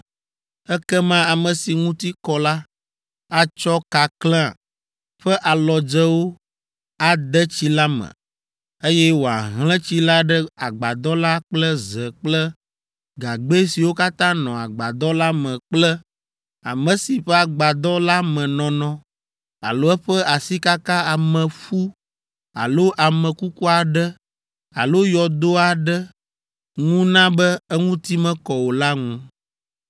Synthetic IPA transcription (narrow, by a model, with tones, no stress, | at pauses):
ɛ˦kɛ˦mã˦a˨mə̃˨si˨ŋũ˦t̪i˦kɔ˦la˦ | a˦t͡ʃɔ˦ka˨klɛ̰̃˦˨ | ɸɛ˦ʔa˨lɔ˨d͡ʒɛ˦wo˦ | a˦d̪ɛ˦t͡ɕi˦la˦mɛ̰̃˨ | e˦jɛ˦wo˨a̰˨ɦlɛ̃˦t͡ɕi˦la˦ɖɛ˦a˨ɡ͡ba˨d̪ɔ˦la˦k͡plə˦zɛ˨k͡plɛ˦ | ɡa˨ɡ͡be˦si˨wo˦ka˦t̪ã˦nɔ̃˨a˨ɡ͡ba˨d̪ɔ˦la˦mɛ̃˨k͡plɛ˦ | a̰˨mɛ̃˨si˨ɸɛ˦a˨ɡ͡ba˨d̪ɔ˦la˦mɛ̃˨nɔ̃˨nɔ̃˨ | a̰˨lo˦ɛ˦ɸɛ˦a˨si˦ka˦ka˦a˨mɛ̃˨fu˦ | a̰˨lo˦ʔa˨mɛ̃˨ku˦ku˦a˨ɖɛ˦ | a̰˨lo˦jɔ˨d̪o˦a˨ɖɛ˦ | ŋũ˦nã˦bɛ˦ɛ˦ŋũ˦t̪i˦mɛ̃˦kɔ˨wo˨la˦ŋũ˦